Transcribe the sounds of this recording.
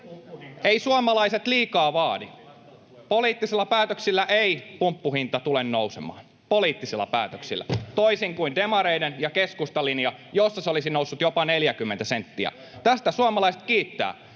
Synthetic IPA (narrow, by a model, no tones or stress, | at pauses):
eisuɑmɑlɑiset̪liːkɑːʋɑːdi | poliːt̪ːisilːɑpæːt̪øksilːæʔeipumpːuhint̪ɑt̪ulennousḛmɑ̰ːn | poliːt̪ːisilːɑ̰pæ̰ːt̪øksḭlːæ̰t̪oisiŋkuindemɑɾeidenjɑkeskust̪ɑlinjɑjosːɑseolisinousːut̪jopɑneljækymːent̪æsent̪ːiæ̰ | t̪æst̪æsuɑmɑlɑiset̪̚kiːt̪ːæ̰ː